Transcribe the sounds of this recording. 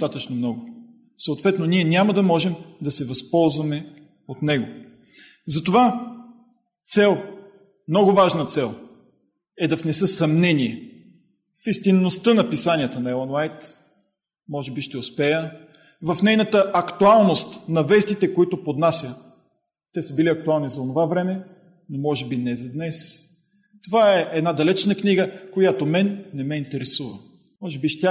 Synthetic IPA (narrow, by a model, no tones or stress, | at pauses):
t̪at̪ət͡ʃnomnɔɡʊ | səʊt̪vɛt̪noniɛnʲaməd̪ɐmɔʒɛmd̪ɐsɛvɐspɔlˠzvɐmɛ | ot̪nɛɡo | zɐt̪ova | t̪sɛlˠ | mnɔɡʊvaʒnɐt̪sɛlˠ | ɛd̪ɐfnɛsɤsɐmnɛniɛ | fist̪inːost̪ənɐpisanʲiət̪ənɐɛlˠənwajt̪ | mɔʒɛbiʃt̪ɛʊspɛjə | vɐfnɛjnət̪əɐkt̪ualˠnost̪nɐvɛst̪it̪ɛkoit̪opod̪nasʲjə | t̪ɛsəbiliɐk̚t̪ʊalˠnizɐonovavɾɛmɛ | nomɔʒɛbinɛzɐd̪nɛs | t̪ovaɛʔɛd̪nad̪ɐlɛt͡ʃnəkniɡəkojat̪omɛnːɛmɛint̪ɛɾɛsuvə̰ | mɔʒɛbiʃt̪ʲa